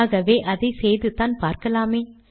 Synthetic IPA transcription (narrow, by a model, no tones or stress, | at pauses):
ɣɐʋeːʔɐðɐɪsɛjðɯt̪aːnpaːɾkɐlaːmeː